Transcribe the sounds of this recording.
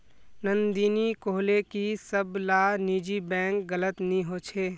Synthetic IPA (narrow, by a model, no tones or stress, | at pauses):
nənd̪iːnikoːɦlekisəblaːniːd͡ʒibɛ̃ːŋkɡələt̪nĩɦot͡ʃʰeː